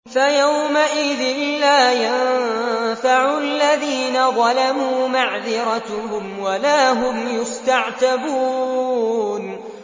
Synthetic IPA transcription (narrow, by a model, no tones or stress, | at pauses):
fajawmaʔɪðɪnlaːjan | faʕʊaalːaðiːnaðˤɑlamuːmaʕðɪɾˤɑt̪hʊmwalaːɦʊmjʊst̪aʕt̪abuː | n